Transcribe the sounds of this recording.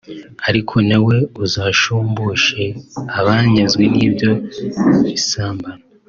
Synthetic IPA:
aɾikʰo̞nawe̞uzaːʃuːmbuʃeaβaːɲezɡweniːbjo̞βisaːmbana

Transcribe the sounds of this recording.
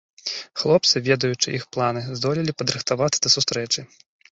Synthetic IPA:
xlˠɔp̚t̪sɨvʲɛd̪ɐjut͡ʂɨʔixplˠanɨzd̪ɔlʲilʲipɐd̪ɾɨxt̪avat̪ːɐd̪ɐsust̪ɾɛt͡ʂɨ

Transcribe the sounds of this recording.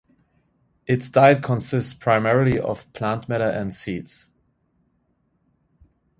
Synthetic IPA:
ʔɪtsdaɪt̚kʰɔ̃nsɪstspʰɹ̥aɪmɛɹəlˠiʔə̰v̥pʰl̥æ̃ntmɛɾəʔæ̃ndsits

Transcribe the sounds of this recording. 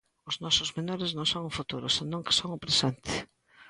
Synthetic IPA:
ʊznɔsʊzmenɔɾɪznõwsõŋʊfut̪uɾʊsɪnõŋkɪ̥soŋʊpɾesent̪ɪ̥

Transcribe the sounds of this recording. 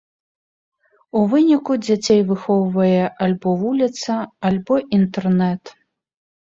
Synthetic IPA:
uvɨnʲikud͡zʲat͡sʲejvɨxɔwvɐjɛʔalʲbɔvulʲit̪sɐalʲbɔʔint̪ɛrnɛt̪

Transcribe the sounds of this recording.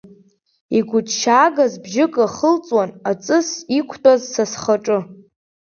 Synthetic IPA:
iɡʷʊdʃaːɡazbʒɪkʼaχəlt͡sʼwanat͡sʼɨsikʷʰtʼazsasχaʈ͡ʂʼɨ

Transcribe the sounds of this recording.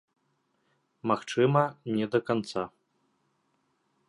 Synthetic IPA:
maxt͡ʂɨmɐnʲɛd̪ɐkant̪sa

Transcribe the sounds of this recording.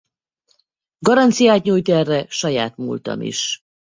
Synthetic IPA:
ɡɒɾɒnt̪sijaːt̪ɲuːjt̪ɛrːɛʃɒjaːt̪mṵlt̪ɒ̰mḭʃ

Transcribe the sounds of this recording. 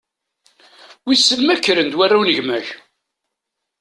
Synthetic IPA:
wisːəlmækːɾənd̪warːawnəʝmæç

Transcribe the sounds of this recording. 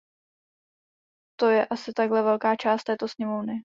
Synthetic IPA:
t̪o̞jɛʔasɪt̪aɡɦlɛvɛlkaːt͡ʃaːst̪ɛːt̪o̞sɲɛmovnɪ

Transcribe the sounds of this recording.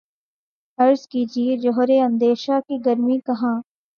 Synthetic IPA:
ɐɾzkiːd͡ʒied͡ʒɔɦɾeɐ̃nd̪eːʃakiɡɐɾmikɐɦãː

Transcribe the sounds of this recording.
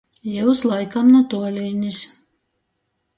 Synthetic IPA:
jɛwslˠajkamnut̪uɔlʲiːnʲis

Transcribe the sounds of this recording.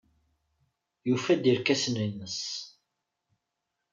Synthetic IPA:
jufæd̪iɾkæsnənːəs

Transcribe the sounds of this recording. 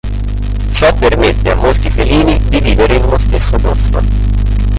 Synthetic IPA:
t͡ʃɔpːermet̪ːea̰mːolt̪ifeliːnid̪iviːveɾeinunost̪esːopɔst̪o̰

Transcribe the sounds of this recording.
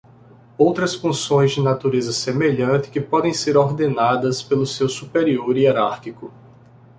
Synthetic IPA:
owt̪ɾɐsfũsõj̃zd͡ʒɪnat̪uɾezɐsemeʎɐ̃nt̪ɪ̥kɪpɔd̪ẽj̃seɾoɾd̪enad̪ɐspelʊsewsupeɾioɾieɾaɾkikʊ

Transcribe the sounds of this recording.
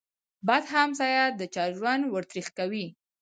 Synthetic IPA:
bɑd̪ɦamsɑjad̪ət͡ʃɑʒwand̪wəɾt̪ɾixkawi

